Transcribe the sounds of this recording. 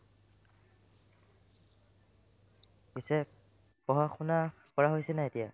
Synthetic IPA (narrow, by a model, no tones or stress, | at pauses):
pisɛ | pɔɦaxuna | kɔɹaɦojsɛnaetija̰